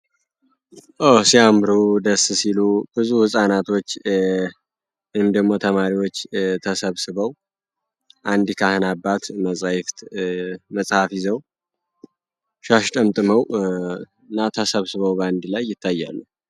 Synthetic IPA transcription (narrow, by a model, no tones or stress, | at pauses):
ʔəsiamɾud̪əsːsilub̥ɨzuhɨsʼanat̪ʰo̞t͡ʃː | ɨnd̪əɡmo̞t̪ʰəmaɾiwo̞t͡ʃːt̪ʰəsəβsɨβəw | ʔand̪kʰahɨnabːat̪məsʼajft̪məsʼhafizəw | ʃaʃt̪ʼəmt̪ʼɨməw | ɨnːat̪ʰəsəβsɨβəwband̪lajːɪt̪ʰːajːa̰lːu